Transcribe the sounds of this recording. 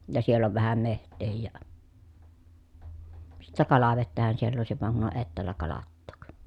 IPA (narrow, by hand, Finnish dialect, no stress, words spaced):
jɑ sielː oʋ ʋæhæm mehtˑeːhij jɑ sitːæ kɑlɑʋetːæhæn sielː oˑesiʋ ʋɑŋ kun on etːæːlːæ kɑlɑtːoːk